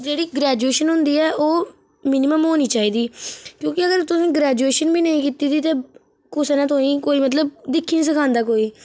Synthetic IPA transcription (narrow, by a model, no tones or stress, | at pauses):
d͡ʒeːɽiːɡɾɛːd͡ʒueːʃənɦʊ̃nd̪iːɛːʔoː | mɪnɪməmɦoːniːt͡ʃaːiːd̪iːkjõːkɪəɡəɾt̪ʊsĩːɡɾɛːd͡ʒueːʃənbiːnəĩːkiːt̪iːd̪iːt̪eː | kʊsnɛ̃ːt̪oĩːkoːiːmət̪̬ləb̚d̪ɪkʰːiːnisəkʰãːnd̪aːkoːiː